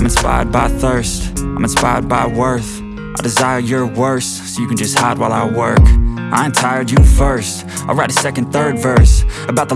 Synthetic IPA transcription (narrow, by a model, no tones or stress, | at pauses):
ɪ̃m̃nspa̰ɪə̰˞d̚baɪθɜ˞stãɪ̃mə̃nspaɪə̰˞d̚baɪwɜ˞θ | ʔaɪdɨzaɪə˞jə˞wɜ˞s | soʊjɨkɨ̃n̩d͡ʒʌst̚haɪd̚waɪlˠaɪwɜ̰˞kʔa̰ɪɨ̃ntʰaɪə˞d͡ʒɨfɜ˞st | aɪlˠɹaɪɾəsɛkɨ̃nθɜ˞dvɜ˞səbaʊt̪̚ðə